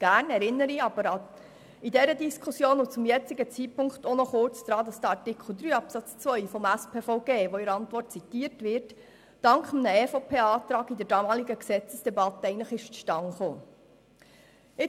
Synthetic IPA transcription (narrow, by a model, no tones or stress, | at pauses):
ɡ̥æːrnɛɾɪnːəɾiɑb̥əɾɑ | idɛɾədiskʰusjoːnʊt͡sʊmjɛt͡sɪɡət͡sipʊŋktɔnɔχʊrt͡sɡ̥ɾɑːd̪ɑsd̥̪əɑɹtɪkʰχl̩ˠd̪ɾyːɑpsɑt͡st͡sʋœʏfɔmæspʰeːfɔʊɡeːʋoɪɾɑntʋɔrt̚t͡sitiːɾtʋɪɾt | d̥ɑŋkχəmnəɛfopʰeːɑːt̪ɾɑːɡidɛɾdɑmɑːliɡəksɛt͡səsd̥ɛbɑt̪ːəɛɪɡntləχɪʃt͡sʃtɑŋχoː | ɪ